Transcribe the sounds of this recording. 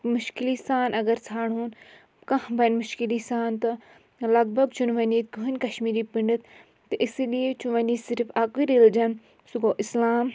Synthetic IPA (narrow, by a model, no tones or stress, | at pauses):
mʊʃkilisaːnʔɐɡɐɾt͡sʰaːɽuːn | kɐ̃hbɐnmʊʃkilisaːnt̪ɐ | lɐɡ̚bɐɡ̚t͡ʃunʋɐniːt̪ɡuɦɐnʲkɐʃmiːɾipiɳɖɨt̪ʰ | t̪ɐʔɪslijet͡ʃʰuʋɐniːsɪɾfaːkuiɾild͡ʒɐn | suɡoːʔɪslaːm